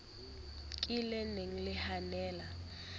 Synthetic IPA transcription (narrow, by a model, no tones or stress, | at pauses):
kʼilɛneŋ̩lɪhanɛːla